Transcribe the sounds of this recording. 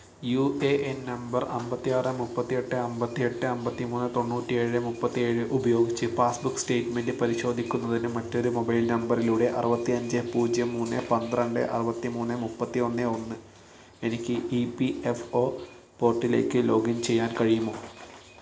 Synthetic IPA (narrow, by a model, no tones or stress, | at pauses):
juʔeʔennɐmbɐrɐmbɐt̪ːijaːrɨmupːɐt̪ːije̞ʈːɨɐmbɐt̪ːije̞ʈːɨɐmbɐt̪ːimuːnːɨt̪o̞ɳːuːtːie̞ːɻɨmupːɐt̪ːie̞ːɻɨʔubɐjo̞ːɡit͡ɕːɨpaːsbukːste̞ːʈmendɨpɐɾiɕo̞ːd̪ʱikʲːunːɐðinɨmɐtːo̞ɾumo̞bɐjilnɐmbɐriluːɽe̞ʔɐrɨbɐt̪ːiɐɲd͡ʑɨpuːd͡ʑjɐmːuːnːɨpɐnd̪rɐɳɖɨ̰ʔɐ̰rɨbɐt̪ːimuːnːɨmupːɐt̪ːio̞nːɨo̞nːɨ | e̞nikʲːɨʔipiefo̞ː | po̞ːrʈːile̞ːkːɨlo̞ːɡint͡ɕe̞jːaːnkɐɻijumːo̞ː